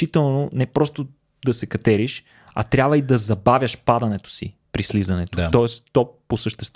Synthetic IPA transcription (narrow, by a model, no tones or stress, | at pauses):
it̪ɛlˠnonɛpɾɔst̪o | d̪ɐsɛkɐt̪ɛɾiʃ | ɐ̰t̪ɾʲjabvəid̪ɐzɐbavʲjəʃpad̪ɐnɛt̪o̥sḭpɾislizɐnɛt̪ot̪ɔɛst̪ɔposəʃt̪ɛst̪